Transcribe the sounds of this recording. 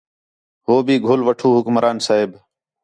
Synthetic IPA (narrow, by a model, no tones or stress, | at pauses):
ɦoːbʱiːɡʱʊlʋəʈʰuːɦʊkmɾaːnsaːɦɪb